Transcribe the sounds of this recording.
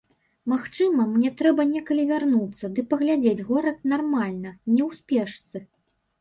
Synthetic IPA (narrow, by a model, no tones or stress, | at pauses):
maxt͡ʂɨmɐmnʲɛt̪ɾɛbɐnʲɛkɐlʲivʲarnut̪sːɐd̪ɨpɐɣlʲad͡zʲed͡zʲɣɔɾɐt̪̚narmalʲnɐnʲɛwsʲpʲɛʂt̪sɨ